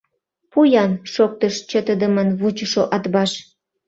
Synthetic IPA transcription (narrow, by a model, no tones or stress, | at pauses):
pujɑnʃok̚t̪əʃt͡ɕət̪əd̪əmənβut͡ɕəʃoʔɑt̪bɑʃ